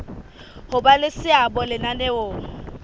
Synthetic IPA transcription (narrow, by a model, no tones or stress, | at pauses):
hʊbalɪsɪabɔlɪnaneo